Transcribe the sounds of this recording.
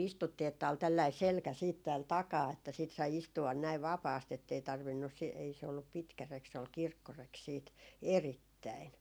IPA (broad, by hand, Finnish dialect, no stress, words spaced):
istutːiː etːæ ol tælːɑi selkæ siːt tæːl tɑkɑː etːæ siːt sɑi istuɑn næiʋ ʋɑpɑːst etːei tɑrʋinːus si ei se olːup pitkæ rek se ol kirkːorek siːt eritːæin